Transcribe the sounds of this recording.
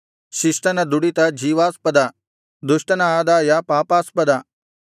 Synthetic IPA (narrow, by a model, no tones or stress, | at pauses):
ʃiʃʈɐnɐd̪uɽit̪ɐd͡ʒʱiːʋaːspɐd̪a | d̪uʃʈɐnɐːd̪aːjapaːpaːspɐd̪a